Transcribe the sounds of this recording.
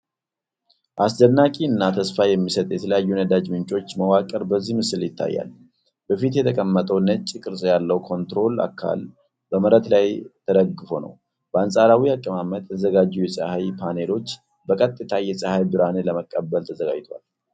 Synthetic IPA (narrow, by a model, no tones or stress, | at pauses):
ʔasd̪ənːakʼiɨnːat̪ʰəsfajɛmːisət̪ʼjɛt̪ʰələjajːunəd̪ad͡ʒmɨnt͡ʃʼo̞t͡ʃːməwakʼəɾbəzːihmɨsɨljɪt̪ʰːa̰jːa̰l | b̥əfit̪jɛt̪ʰəkʼəmːət̪ʼəwnət͡ʃʼːikʼɨɾsʼjalːəwkʰo̞nt̪ɾo̞la̰kʰːa̰l | bəməɾət̪lajt̪ʰəd̪əɡːɨfo̞nə̰w | b̥əansʼaɾawiakʼːəmamət̪jɛt̪ʰəzəɡad͡ʒːujɛsʼəhajpʰane̞lo̞t͡ʃː | bəkʼət̪ʼːɨt̪ʰajɛsʼəhajbɨɾaneləməkʼːəbːəlt̪ʰəzəɡa̰d͡ʒt̪ʰoa̰l